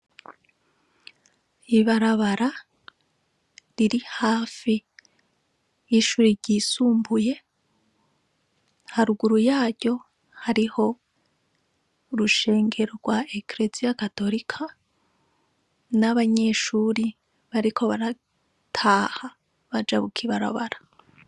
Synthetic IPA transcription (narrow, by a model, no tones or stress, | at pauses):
iβaɾaβaɾa | ɾiɾihaːfi | jiʃuːɾiɟiːsuːmbuje̞ | haɾuɡuɾujaːɾɟo̞ | haɾiho̞ | ɾuʃe̞ːŋɡe̞ɾo̞ɾɡ̥waekɾe̞zijakato̞ɾikʰa | naβaɲe̞ʃuːɾi | βaɾikʰo̞βaɾa | tʰaːha | βad͡ʒaβukʰiβaɾa̰βa̰ɾa